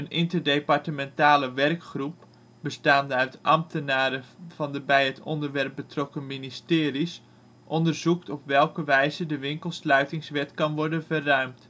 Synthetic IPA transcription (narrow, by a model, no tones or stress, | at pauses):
ənʔɪntərdejpɑɹtəmɛntaːləʋɛrkχrup̚ | bəstaːndəœɥtʔɑ̰mtənaːɾəfɑndəbɛjɦətʰɔ̰ndəɹʋɛrp̚bətrɔkənministɪːɾis | ʔɔndərzuktɔpʋɛlˠkəʋɛjzədəʋɪŋkəlˠslœɥtɪŋsʋɛtkɑnʋɔɹdənvərrœɥmt